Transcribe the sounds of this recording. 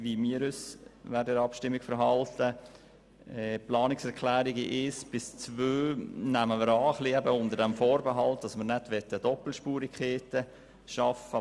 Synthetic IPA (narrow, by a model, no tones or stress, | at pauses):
ʋimiːɾʏsʋæɾdəɪɾɑpʃtɪmːikfəɾɦɑltə | ɛplɑːnɪksɛɾkʰlæːɾiɡiʔɪsb̥ɪst͡sʋøːnæməməɾɑːχliɛbəʊnd̪əɾdɛmfoːɾbəɦɑltd̥ɑsməɾnɛtʋɛt̪ːəd̥ɔpl̩ʃpuːɾikʰχeːtə | ʃɑfə